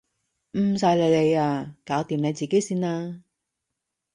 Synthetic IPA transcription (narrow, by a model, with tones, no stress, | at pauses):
m̩˨˩s̬aː˧jle˨˧jle˨˧jaː˧kaː˨˥wt̪iː˨˧mne˨˧jt͡siː˨ke˨˥jsiː˥naː˧